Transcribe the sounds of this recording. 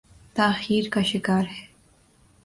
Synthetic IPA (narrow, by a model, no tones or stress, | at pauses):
t̪axiːɾkaʃɪkaːɾhe